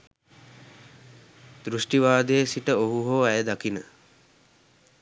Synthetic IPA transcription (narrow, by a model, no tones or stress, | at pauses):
d̪ɾuʂʈiʋaːd̪ejəsiʈəoɦuɦoːæjəd̪akinə